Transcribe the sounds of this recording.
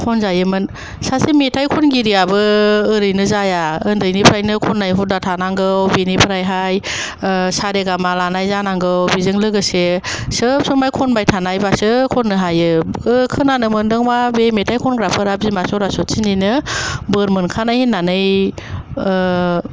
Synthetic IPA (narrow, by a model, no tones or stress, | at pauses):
kʰɔnzajɯmɯn | sasimetʰajkʰɔnɡiɾijabɯːɾɯjnɯzajaɯndɯjnipʰɾajnɯkʰɔnːajɦudatʰanaŋɡɯwbinipʰɾajɦaj | saɾeɡamalanajzanaŋɡɯwbizɯŋlɯɡɯsesɯp̚sɯmajkʰɔnbajtʰanajbasɯkʰɔnːɯɦajɯɯkʰɯnanɯmɯndɯŋmabemetʰajkʰɔnɡɾapʰɯɾab̚zimasɔɾasɔtsininɯbɯɾmɯnkʰanajhinːanɯj